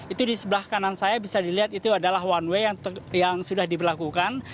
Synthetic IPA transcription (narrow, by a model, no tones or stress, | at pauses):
it̪udisəbəlahkanansajabisadiliɦat̪it̪uadalaɦwanwejaŋjaŋsudahdibərlakukan